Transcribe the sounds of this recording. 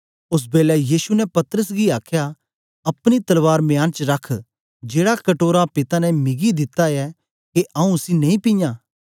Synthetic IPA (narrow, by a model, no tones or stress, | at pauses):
ʊs̬beːlɛjiːʃunɛpɐt̪ɾəsɡiaːkʰja | ɐpɽ̃it̪ɐlʋaːɾmjaːnt͡ʃɾɐkʰ | d͡ʒeːɽakɐʈoːɾapɪt̪anɛ̃mɪɡid̪ɪt̪aɛ | keʔɐũsinɐĩpijãː